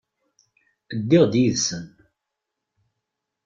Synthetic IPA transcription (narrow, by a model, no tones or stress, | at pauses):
əd̪ːɪʁd̪jiðsən